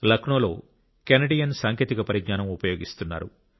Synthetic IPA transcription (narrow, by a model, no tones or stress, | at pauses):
lɐkʰɳoːlo̞̰ː | kenɐɖijɐnsaːŋkʰet̪ikɐpɐɾiɡ̪naːnɐmupɐjo̞ːɡist̪unːa̰ːɾṵ